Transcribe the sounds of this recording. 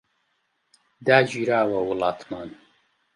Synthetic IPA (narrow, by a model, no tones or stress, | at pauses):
d̪aːd͡ʒiːɾaːwɐwʊlɑːt̪mɑːn